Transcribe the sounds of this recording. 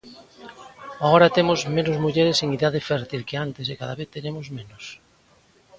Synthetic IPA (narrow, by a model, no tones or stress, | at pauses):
aɣoɾat̪emozmenʊzmuʎeɾeseŋiðaðɪfɛɾt̪ilkɪant̪ɪs̬ekaðaβeθt̪eɾemozmenʊs